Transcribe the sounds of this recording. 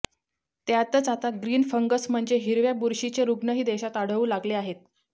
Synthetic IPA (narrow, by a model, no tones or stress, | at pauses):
t̪jat̪ət͡sat̪aɡɾiːnfəŋɡəsm̤əɳd͡zeɦiɾʋjabuɾɕit͡ɕeɾuɡnəɦiːd̪eɕat̪aɽ̤əuːlaɡleaɦet̪̚